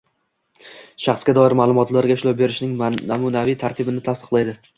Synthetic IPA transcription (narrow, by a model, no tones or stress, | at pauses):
ʃɑχsɡʲad̪ɒɪɾmaːlˠʊmɒt̪laɾɡʲaɪʃlawbe̞ɾɪʃnɪŋamʊnavijt̪ʰaɾt̪ʰɪbɪnɪt̪ʰast̪ɨ̥qlˠajd̪ɪ